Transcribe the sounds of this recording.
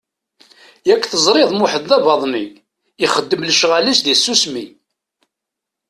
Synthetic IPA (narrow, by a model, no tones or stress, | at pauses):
jækːθəzˤɾˤeðˤmʊħəðːævɑðˤmi | iχəd̪ːəmləʃʁalisðisːusmi